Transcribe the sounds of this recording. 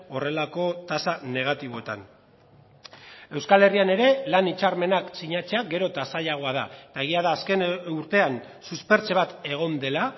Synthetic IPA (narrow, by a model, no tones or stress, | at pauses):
o̞re̞lako̞t̪asane̞ɣ̞at̪iβ̞o̞e̞t̪a̰n | e̞wskale̞riane̞ɾe̞lanit͡ʃarme̞naksiɲat͡se̞aɡe̞ɾo̞t̪asaʎaɣ̞o̞að̞aet̪ae̞ɣ̞iaðaːske̞nuɾt̪e̞an | suspe̞ɾt͡se̞βat̪e̞ɣ̞o̞nd̪e̞la